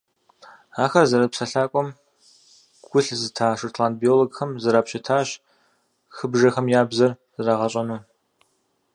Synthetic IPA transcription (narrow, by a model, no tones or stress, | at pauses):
aːxɐrzɐɾɐpsɐɬaːkʷʼɔm | ɡ̥ʷʊɬzɨtʰaːʂɨrtʰlaːntbioloɡxɐmzɐɾaːpɕɪtʰaːɕ | xɨbʒɐxɐmjaːbzɐr | zɨɾaʁɐɕʼɐnuː